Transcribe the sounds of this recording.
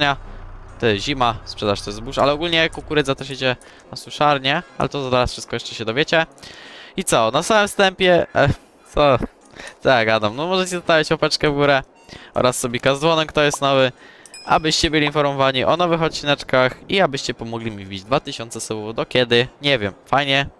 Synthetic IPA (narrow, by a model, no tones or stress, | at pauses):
ɲat̪ɔjɛsʑimaspʂɛd̪aʂt̪ɔjɛzbuʂa̰lɛɔɡulɲɛkɔkuɾɛd̪zat̪aʂɛt͡ɕɛ | naswɨʂaɾɲɛa̰lɛt̪ɔzzaɾasfʂɘst̪̚kɔjɛʂt͡ʂɛɕɛd̪ɔvʲjet͡ɕɛ | it̪sɔnasamɘmst̪ɛmpʲjɛ | t̪sɔ | t̪sɔjaɡad̪amnɔmɔʐɛt͡ɕɛzɔst̪avʲjat͡ɕpɔpɛt͡ʂkɛvɡuɾɛ | ʔɔ̰ɾasːɔbʲɛkazd̪vɔnɛmkt̪ɔjɛst̪nɔvɘ | a̰bɘɕt͡ɕɛbɘlʲiːinfɔɾmɔvaɲiʔɔnɔvɘxɔt̪̚t͡ɕinɛt͡ʂkaxiabɘɕt͡ɕɛpɔmɔɡlʲimʲivʲid͡ʑd̪vat̪ɘɕɔntsɛsɛwufd̪ɔkʲɛd̪ɘɲɛvʲjɛmfajɲɛ